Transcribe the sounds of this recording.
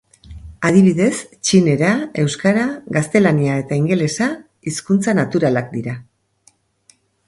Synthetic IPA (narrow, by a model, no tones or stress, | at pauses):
að̞iβiðe̞st͡ʃine̞ɾae̞wskaɾaɣɡast̪e̞laniae̞t̪aiŋɡe̞le̞sa | iskunt͡sanat̪uɾalak̚d̪iɾa